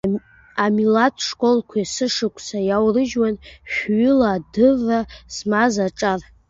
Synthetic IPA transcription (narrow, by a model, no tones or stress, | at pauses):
amilatʰʼʂkʼo̞lkʷʰasɨʂɨkʷʰʼsajawrɨʒwanʃᶣʷɥʏlaːdɨvasmazaʈ͡ʂʼar